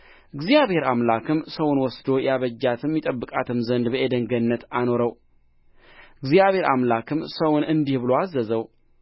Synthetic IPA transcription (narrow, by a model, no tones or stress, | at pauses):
ɨɡzijaβhe̞ɾamlakʰɨmsəwʊnwɔsd̪o̞jaβəd͡ʒːat̪ʰɨmːit̪ʼəbːɨkʼat̪ʰɨmzənd̪bəʔed̪əŋɡənːət̪ano̞ɾəw | ɨɡzijaβhe̞ɾamlakʰɨmsəwʊnɨnd̪ihbɨloazːəzəw